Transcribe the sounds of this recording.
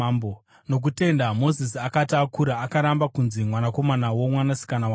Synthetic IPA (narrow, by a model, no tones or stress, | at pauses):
bo | no̞k̬ute̞ndamo̞zis̬iakatiakuɾaːkaɾambakunzimwanako̞manawo̞mwanasi̥kanawa